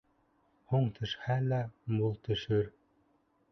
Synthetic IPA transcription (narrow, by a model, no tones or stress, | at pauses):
huɴt̪ʰɵ̆ʃhælæmulˠt̪ɵ̆ʃɘɾ